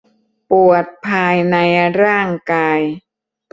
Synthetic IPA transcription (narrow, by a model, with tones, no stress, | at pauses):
pu˨˩ət̪̚pʰaː˧jna˧jɾaː˥˩ŋkaː˧j